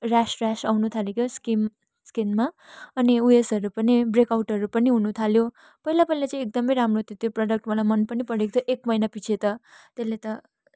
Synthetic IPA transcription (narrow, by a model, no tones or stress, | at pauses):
rasrasawnut̪ʰalekjoskim | skinma | ʌniuesʌɾupʌnibrekawʈʌɾupʌniɦunut̪ʰaljo | pʌilapʌilat͡sãĩek̚d̪ʌmʌjɾamroɦt̪ʰjot̪joprʌɽʌk̚ʈmʌlamʌnpʌnipʌɽekt̪ʰoʔekmʌjnapit͡sʰet̪ʌt̪elːet̪ʌ